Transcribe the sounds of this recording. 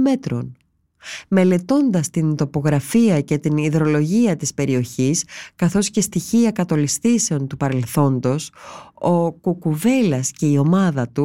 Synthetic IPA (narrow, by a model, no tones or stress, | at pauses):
me̞t̪ɾo̞̰n | me̞le̞t̪o̞nd̪ɐst̪int̪o̞po̞ɣɾɐfiɐce̞t̪iniðɾo̞lo̞ʝiɐt̪ispe̞ɾio̞çiskɐθo̞sce̞st̪içiɐkɐt̪o̞list̪ise̞o̞nt̪upɐɾe̞lθo̞nd̪o̞so̞kukuve̞lɐsce̞io̞mɐðɐt̪u